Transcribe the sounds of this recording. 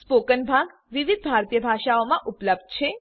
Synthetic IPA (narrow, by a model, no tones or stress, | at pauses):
spokənbʱaɡ | ʋiʋid̪̚bʱaɾt̪ijəbʱaʃaomãʔupləb̚d̪̚t͡ʃʰe